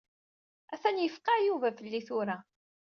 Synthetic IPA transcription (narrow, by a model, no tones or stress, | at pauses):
æθænjəfqɑjuvæfəlːiθʊɾa